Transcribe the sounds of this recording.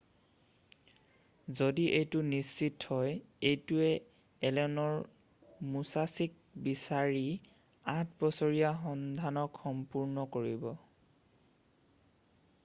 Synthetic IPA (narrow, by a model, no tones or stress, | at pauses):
zodiʔejtʊnisːithɔjejtuɛ | ɛlɛnɔɹ | musasik̚bisaɹi | ãtʰbɔsoɹijaxɔndʱanɔkxɔmpuɹnɔkoɹibɔ